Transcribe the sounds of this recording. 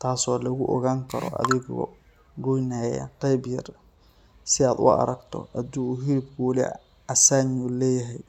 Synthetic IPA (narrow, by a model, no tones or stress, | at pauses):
t̪ʰaːsɔːlɐɣʊʔɔɣaːŋkʰɐɾɔ̰ʔɐ̰ðɪɣɔ̰ | ɡʊjnaːjɐ̰qɑjbjɐr | sɪaːd̪ʊ̰ɐ̰ɾɐɡt̪ʰɔ̰ʔɐd̪uːɦɪɾɪbkʰʊwɑlɪ̰ | ɐsaːɲulɛːjɐɦɛj